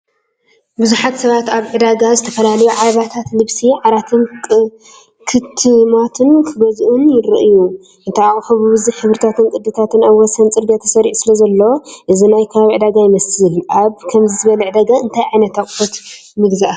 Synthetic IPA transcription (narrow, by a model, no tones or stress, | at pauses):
bɨzuħat̪sɐβat̪aβʕɨd̪aɡazɨt̪ʰɐfɐlalɐjuʕaβat̪ʰat̪lɨβsiʕaɾat̪ʰɨn | kʰɨt̪ʰːɨmat̪ʰɨnkʰɨɡɐzʔunjɪɾɨ̰ʔɨju | ɨnt̪ʰajaχʼħɨβubɨziħɨβɾɨt̪ʰat̪ɨnkʼɨd̪ːɨt̪ʰat̪ɨnaβwɔsɐnt͡sʼɨɾɡɐt̪ʰːɐ̥sɐɾiʕusɨlɐzɐlːɐwoʔɨzinajkʰɐβaβiʕɨd̪aɡajɪmɐsɨlʔaβkʰɐmzizɨβɐlɐʕɨd̪aɡaɨnt̪ʰajʕajnɐt̪aχʼfot̪ | mɨɡzɐʔa